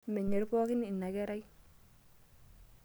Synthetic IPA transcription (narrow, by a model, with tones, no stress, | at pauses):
mɛ˨ɲe˨ɾpɔ˦kɪ˦ni˨nːa˨kɛ˦ɾa˦j